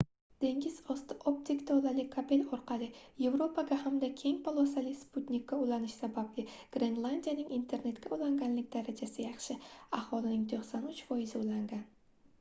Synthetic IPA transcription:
d̪̥e̞ŋʲɪzɒst̪ʰɪʔopt̪ʰikʲt̪ʰɒlˠalɪkʰape̞lɒɾqʰɑlˠɪje̞vɾo̞pʰaɡʲahamd̪akʲʰe̞ŋpʰolˠosalɪsput̪nʲikʲʰːaulanɪʃsabablɪɡ̥ɾe̞nlˠand̪ʲijanɪŋint̪ʰe̞ɾne̞t̪kʲaulaŋɡʲanlɪkʲd̪aɾad͡ʒasɪjɑχʃɪahɒlˠɪnɪŋt̪ʰoχsanʊt͡ʃfɒjɪzɪulaŋɡʲan

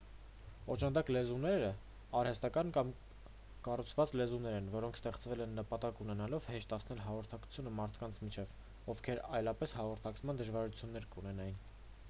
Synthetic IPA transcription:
ɔt͡ʃɑnd̪ɑklɛzunɛɾə | ɑɾhɛst̪ɑkɑnkɑm | kɑrut͡sʰvɑt͡slɛzunɛɾɛnvɔɾɔŋkʰst̪ɛχt͡svɛlɛnːəpɑt̪ɑkunɛnɑlɔvhɛʃt̪ɑsʰnɛlɦɑʁɔɾt̪ʰɑkʰu̥t͡sʰjunəmɑɾt̪ʰkɑnt͡sʰmit͡ʃʰɛv | ɔvkʰɛɾɑ̰jlɑpɛshɑʁɔɾt̪ʰɑkt͡sʰmɑnd̪əʒvɑɾut͡sʰjunːɛɾkunɛnɑjin

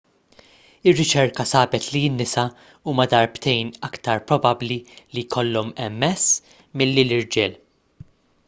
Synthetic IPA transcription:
ɪrːɪt͡ʃɛɾkɐsɐːbɛt̪liɪnːɪsɐ | uːmɐd̪ɐɾbt̪ɛjnɐkt̪ɐɾpɾɔbɐblilijkʰɔlːɔmɛmːɛsː | mɪlːilɪɾd͡ʒɛl

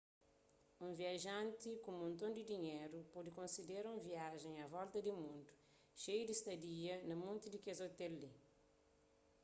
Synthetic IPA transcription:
ũviɐʒãnt̪ikũmõnt̪õnd̪id̪iɲeɾupɔd̪ikõnsid̪eɾũviaʒẽŋɐvɔlt̪ɐd̪imũnd̪u̥ | ʃejud̪ist̪ɐdiɐnɐmũnt̪id̪ikezot̪ɛlːi

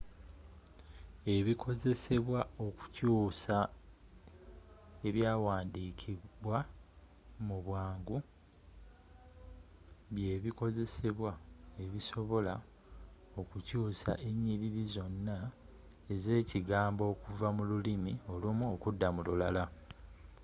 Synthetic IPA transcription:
e̞βikʰo̞ze̞se̞βwao̞ku̥cuːsa | e̞βjaːwaːndiːkʰiβwa | muβwaːŋɡu | βje̞ːβiko̞ze̞se̞βwae̞βiso̞βo̞la | o̞kucuːsa̰ʔe̞ɲːiɾiɾizo̞nːa | e̞ze̞ːciɡaːmbo̞ːkuvamululimio̞lumuokudːamululala

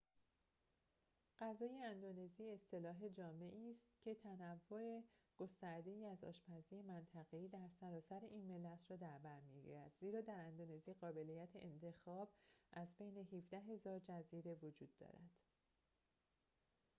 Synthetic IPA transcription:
ɢ̥æzɒːje̞ænd̪one̞ziːest̪ʰe̞lɒːɦe̞d͡ʒɒːme̞ʔiːst̪cʰe̞t̪ʰænævːoe̞ɡ̥o̞st̪æɾd̪e̞iːæzɒ̰ːʃpʰæzije̞mænt̪ʰæɣe̞iːd̪æɾsæɾɒːsæɾeʔiːnme̞lːæt̪ʰɾɒːd̪æɾbæɾmiɡḭɾæd̪̥ziːɾɒːd̪æɾænd̪one̞ziɢɒːbe̞lijæt̪ʰeʔent̪ʰe̞xɒːbʔæzbe̞jne̞ɦifd̪æɦe̞zɒːɾd͡ʒæziːɾe̞vod͡ʒuːd̪ːɒ̰ːɾæ̰d̪̥

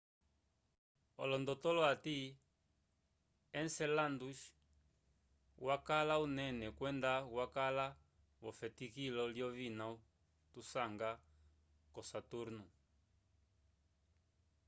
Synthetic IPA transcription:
ɔ̰lɔndɔt̪ɔlɔat̪i | ɛnsɛlanduʃ | wakalaunɛnɛkwɛndawakala | βɔfɛtikilɔljɔβinau | t̪usaŋɡa | kɔsatuɾnu

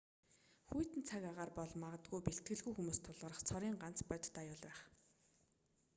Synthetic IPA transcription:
xujt̪ɘ̆nt͡sʰaɣaːʁaːrpɔɮmaʁə̆t̪ɡujpeɬt̪̚ɡɘ̆ɮɣujxumuːst̪ʰʊɮʁə̆ɾə̆χt͡sʰɔɾiːŋɢan̥t͡spœjt̪t̪ajʊːɮpæːχ

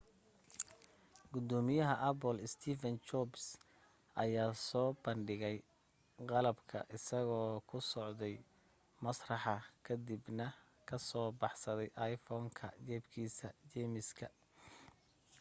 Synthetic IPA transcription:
ɡ̥ʊd̪ɔːmɪjɐɦɐʔɐpɔlɪst̪ʰiːfɐnt͡ʃɔbs | ʔɐjaːsɔːbɐɳɖɪɣɛj | qɑlɐbkʰɐ̰ʔɪsɐɣɔːkʰʊsɔʕd̪ɛj | mɐsrɑħɑkʰɐd̪ɪbnɐ | kʰɐsɔːbɑħsɐðɛjʔɑjfɔːŋkʰɐ̰t͡ʃɛːbkʰiːsɐt͡ʃɛmɪskʰɐ

